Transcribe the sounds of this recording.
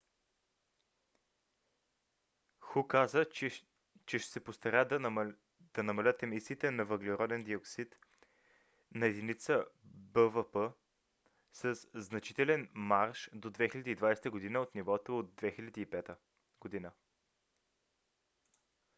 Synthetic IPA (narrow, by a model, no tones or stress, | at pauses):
xukazə | t͡ʃɛʃɛ̥sɛpost̪ɐɾad̪ | d̪̥ɐnɐmɐlʲət̪ɛmisiːt̪ɛnɐvəɡlɛɾɔd̪ɛnd̪ioksit̪ | nɐɛd̪init̪səbəvəpə | səsznɐt͡ʃi̥t̪ɛlɛnmaɾʃd̪od̪vɛxilʲɛd̪iːd̪vajsɛ̥t̪əɡod̪inəot̪nivɔt̪oːd̪̚d̪vɛxilʲɛd̪iːpɛt̪ə | ɡ̥od̪inə